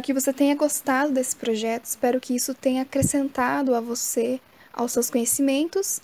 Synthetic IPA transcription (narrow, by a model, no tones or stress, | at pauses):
ɾʊkɪvoset̪ẽjɲɐɡost̪ad̪ʊd̪esɪ̥pɾoʒɛt̪ʊɪspɛɾʊkɪisʊt̪ẽjɲɐːkɾesẽnt̪ad̪ʊɐvose | a̰wsewskõɲesimẽnt̪ʊs